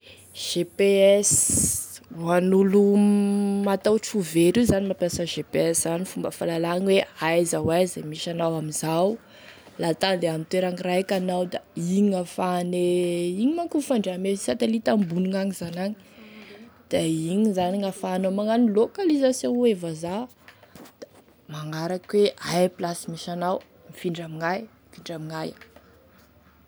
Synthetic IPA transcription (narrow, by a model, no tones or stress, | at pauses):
ʒ̥epeɛs | anulu | mat̪awʈ͡ʂuveɾizanimapjasəʒepeɛszanifumbəfalalaŋiweajzawajzemiʃanawamizaw | lat̪anleamint̪weɾaŋirajkanawd̪aiɲiŋafaneiɲimaŋkufaɳɖ͡ʐamesat̪elit̪ambunuŋaŋizanaɲi̥ | d̪̥aiɲizaniŋafanamaŋanilokalizasjõŋwevaza | d̪̥a | maŋaɾakweajplasimiʃanaw | mifiɳɖ͡ʐamiŋajmifiɳɖ͡ʐamiŋaj